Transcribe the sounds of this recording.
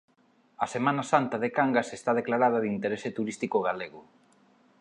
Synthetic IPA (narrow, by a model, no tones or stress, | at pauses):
ɐsemanasant̪aðekaŋɡasest̪að̞eklaɾað̞ɐðint̪eɾeset̪uɾist̪ikoɣ̞aleɣʊ